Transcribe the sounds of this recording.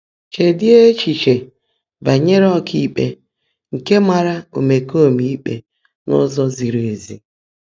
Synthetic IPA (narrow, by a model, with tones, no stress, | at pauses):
t͡ʃe˨dɪ˦e˦t͡ʃi˨t͡ʃe˨ | ba˨ɲe˦ɾɔ˦kʰi˦k͡pḛ˦ | ŋ̩˨ke˦ma˨ɾa˦o̰˨me˨ko˦˨mi˨i˦k͡pḛ˨ | nɔ̰˦zɔ˦zi˨ɾe˨e˨zi˨